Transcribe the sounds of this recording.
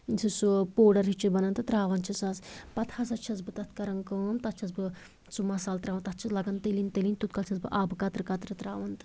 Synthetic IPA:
nʲsʰɨsupoːɖɐɾɦit͡ʃːibɐnɐnt̪ɨt̪ɾaːʋɐnt͡ʃʰisɐzpɐt̪ʰhɐs̬ɐt̪̚t͡ʃʰɐt͡sbɨt̪ɐt̪ʰkɐɾɐŋkəːmt̪ɐt̪̚t͡ʃʰɐzbɨ | t͡sumɐsaːlt̪ɾaːʋɐnt̪ɐt̪̚t͡ʃʰɐzlɐɡɐnt̪elinʲt̪elinʲt̪ut̪̚kɐlt͡ʃʰɐzbɨʔaːbɨkɐt̪ɾɨkɐt̪ɾɨt̪ɾaːʋɐnt̪ɨ̥

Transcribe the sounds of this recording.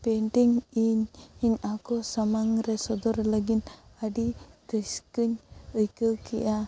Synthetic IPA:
pɛɳʈiŋiɲiɲakɔsamaŋɾɛsɔd̪ɔɾləɡinaɖit̪əskəɲəjkəkɛ̰ʔa

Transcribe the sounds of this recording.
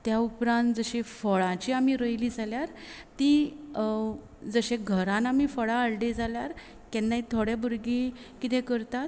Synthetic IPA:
t̪jaupɾãnt̪d͡zəɕefəɭãt͡ɕiamiɾəjlid͡zʱaljaɾ | t̪i | d͡zəɕeɡʱəɾãnam̤ifəɭãːɭɖed͡zʱaljaɾ | kɛnːaɦit̪ʰoɽjabəɾɡĩkit̪ẽkəɾt̪at̪

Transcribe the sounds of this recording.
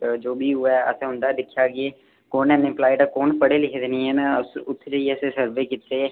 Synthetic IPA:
d͡ʒoːbʱiːɦʊaə̰seɦʊ̃nd̪aːd̪ɪkʰjaːɡeː | koːnɛːnẽːplaːɪʈakoːnpəɽelɪkʰed̪enĩːɛ̃ːmɛ̃sʊt̪ʰːd͡ʒəiɛsesəɾʋeːkɪt̪ːeː

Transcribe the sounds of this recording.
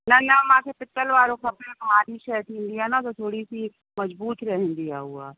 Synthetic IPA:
nɐnɐmãːkepɪt̪ːəlʋaːɾõkɐpnebɐɦaːɾiʃɛt̪ʰĩnd̪ijanat̪ot̪ʰoːɽisi | mɐd͡ʒbuːt̪ɾɐɦẽnd̪ija̰ɦua̰ː

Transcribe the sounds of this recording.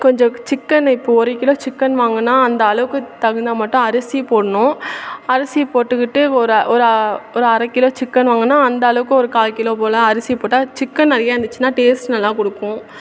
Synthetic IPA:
kɔɲd͡ʒɔ̃t͡ʃɪkːɐnɪpːoɔɾɯkːɪlõːt͡ʃɪkːɐnʋaːŋɡɐnːaːɐnd̪ɐɐɭɐʋɯkːɯt̪ɐɣɐnd̪amɐʈːʊ̃ɐɾɐsipoːɽɐnʊ̃ɐɾɐsipoːʈːɯkɪʈːɯɔɾʔɔɾɯɔɾɯɐɾɐkːɪlõːt͡ʃɪkːɐnʋaːŋɡɐnːaːɐnd̪ɐːlɐʋɯkːɯ̃ɔɾɯkaːlkɪlõːpoːlɐ̃ɐɾɐsɪjpoːʈːaːt͡ʃɪkːɐnɐɾɐjaːɾɐnd̪ɯt͡ʃːɯnaːʈeːsʈnɐlːãːkɔɽɯkːʊ̃

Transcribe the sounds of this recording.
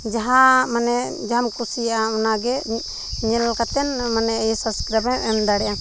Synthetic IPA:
d͡ʒaɦamanɛ | d͡ʒamkusijaʔaɔnaɡɛ | ɲɛlkat̪ɛnmanɛjsaskɾabɛɛmd̪aɽɛja

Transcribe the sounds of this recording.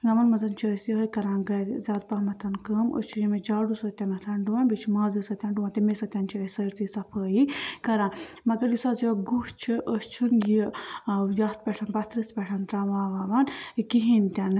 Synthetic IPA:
ɡɐmɐnmɐzɐnt͡ʃʰiəːsjɐɦəjkɐɾãːnɡɐɾʲzʲaːd̪̚pɐɦmɐt̪ʰɐnkəːmə̰st͡ʃʰijimed͡ʒaːɖusɐt̪ʲɐnɐt̪ʰɐnɖuʋanʲbit͡ʃʰimaːzisɐt̪ʲaɳɖuʋãt̪imesɐt̪ʲɐnt͡ʃʰiəsɐɾt͡sisɐpʰəːjikɐɾãːnmɐɡɐɾjisaːziɐɡuht͡ʃʰiʔəst͡ʃʰunji | jɐst̪̚pʲɛʈʰɐnbɐt̪ɾispʲɛʈʰɐnt̪ɾaʋaːʋaːʋankiɦint̪ʲɐn

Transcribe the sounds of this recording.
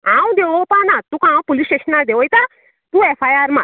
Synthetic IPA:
ãwd̪eʋopãnãt̪ũkãw̃polisʈeʃənad̪eʋojt̪a | t̪ũefajaɾmã̰

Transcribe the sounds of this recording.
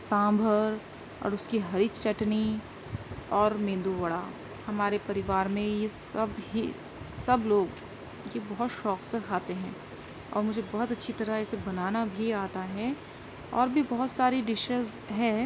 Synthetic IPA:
sãːmbʱəɾ | ɔ̰ːɾʊskiɦɐɾit͡ʃɐʈni | ɔːɾmẽːnd̪uʋɐɽa | hɐmaːɾepɐɾɪʋaːɾmẽjesɐbɦi | sɐbloːɡ | jebɔɦʊt̪ʃɔːksekʰaːt̪eɦɛ̃ː | ɔ̰ːɾmʊd͡ʒʱebɔɦʊt̪ɐtːʃʰit̪ɐɾaɛːsebɐnaːnabʱiaːt̪aɦɛ | ɔːɾbʱibɔɦʊt̪saːɾiɖɪʃəz | ɦɛː

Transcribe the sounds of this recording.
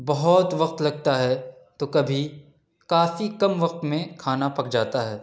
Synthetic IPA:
bɐɦɔt̪ʋɐq̚t̪lɐɡ̚t̪aɦɛ | t̪okɐbʱi | kaːfikɐmʋɐq̚t̪mẽkʰaːnapɐkd͡ʒaːt̪aɦɛː

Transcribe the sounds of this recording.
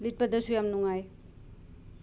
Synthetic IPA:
lit̚pɐdɐsujamnuŋaj

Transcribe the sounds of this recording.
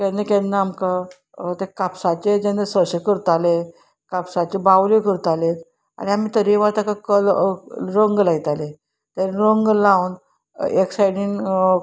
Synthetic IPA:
kɛnːekɛ̃nːaamka | t̪ekapsat͡ɕed͡ʑãnd̪əsəɕekəɾt̪ale | kapsat͡ɕebawlekəɾt̪ale | a̰ɽ̃iamiːt̪əɾeʋat̪akakəlɾəŋɡlaɡt̪ale | t̪aɾɾəŋɡlawn | eksajɖin

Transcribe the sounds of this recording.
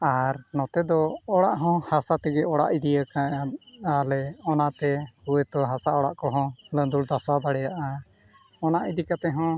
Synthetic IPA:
aɾnɔt̪ɛd̪ɔɔɽaʔɦɔ̃hasat̪ɛɡɛɔɽa̰ʔid̪ijəkaalɛɔnat̪ɛhuet̪ɔɦasaʔɔɽa̰ʔkɔɦɔ̃lənd̪uld̪asabaɽɛjaʔa | ɔnaʔid̪ikat̪ɛɦɔ̃

